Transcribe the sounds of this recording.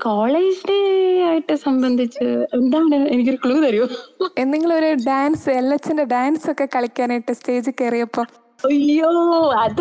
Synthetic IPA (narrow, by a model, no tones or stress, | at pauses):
koːɭeːd͡ʑineaːjiʈːɨsɐmbɐnd̪ʱit͡ɕːɨend̪aːɳɨenikʲːoɾukɭuːt̪ɐɾijoenːiŋːɐɭoɾuɖaːnsɨelːɐt͡ɕːindeɖaːnsokːe̞kɐɭikʲːaːnaːjiʈːɨste̞ːd͡ʑɨkːerijɐpːoː | ɐːoːɐð